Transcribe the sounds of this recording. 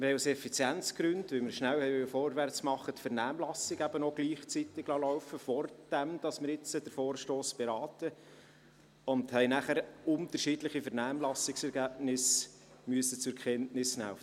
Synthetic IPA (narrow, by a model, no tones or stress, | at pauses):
mɪɾhɛɪusɛfit͡sjænt͡sɡ̥ɾʏndʋɪlmɪɾʃnæwhɛɪʋʏlfɔːɾʋært͡smɑχətfɛɾnæːmlɑsɪɡæb̥ənoɡliːχt͡sit̪ɪɡ̥lɑlɔʊfəfɔrd̥æmd̥ɑsmɪɾɪt͡səd̥əɾfoːrʃtoːsb̥ɛɾɑːt̪ə | ʊndhɛɪnæχæɾʊnt̪əɾʃidlɪχifɛɾnæːmlɑsɪksɛɾɡæːbnɪs | myəsət͡sʊɾkʰɛntnɪsnæ̰fə